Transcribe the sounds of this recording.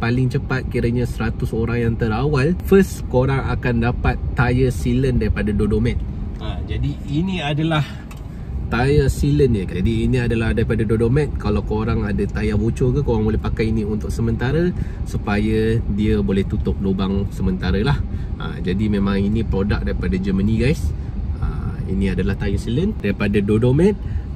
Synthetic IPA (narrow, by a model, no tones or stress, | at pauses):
palɪŋt͡ʃəpat̪̚kiɾəɲasəɾat̪ʊsoɾaŋjaŋt̪əɾawalfəskoɾaŋakandapat̪ːajəsiləndaɾipadadodomɛt̪̚ | ad͡ʒadiːniadalah | t̪ajəsilənjəkadiːnĩadalahdaɾipadadodomɛt̪̚kalawkoɾaŋadət̪ajabot͡ʃokəkoɾaŋbolɛhpakajinĩunt̪ʊk̚səmənt̪aɾəsupajədiəbolɛht̪ut̪ʊp̚lobaŋsəmənt̪aɾəlahə̰d͡ʒadimẽmãŋinĩpɾodak̚daɾipadad͡ʒəməniɡajs | ə̰ḭnĩadalaht̪ajəsiləndaɾipadadodomɛt̪̚